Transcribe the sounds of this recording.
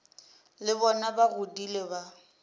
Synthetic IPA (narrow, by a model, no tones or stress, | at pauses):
lɪbɔnabaɣʊdileba